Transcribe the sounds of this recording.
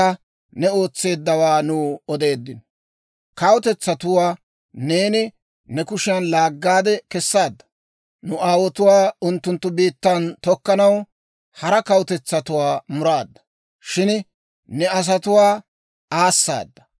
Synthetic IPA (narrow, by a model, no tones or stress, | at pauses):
ɐ | nɛo̞ːt͡sːe̞ːd̪ːɐwaːnuːɔd̪e̞ːd̪ːɪnɔ | kɐwʊt̪ɛt͡sːɐt̪ʊwaː | ne̞ːnɪ | nɛkʊʃɪjɐnlaːɡːaːd̪ɛkɛsːaːd̪ːɐ̥ | nʊʔaːwɔt̪ʊwaːʊnt̪ːʊnt̪ːʊbiːt̪ːɐnt̪ɔkːɐnɐw | hɐɾɐkɐwʊt̪ɛt͡sːɐt̪ʊwaːmʊɾaːd̪ːɐ̥ | ʃɪn | nɛɐs̬ɐt̪ʊwaː | aːsːa̰ːd̪ːɐ̥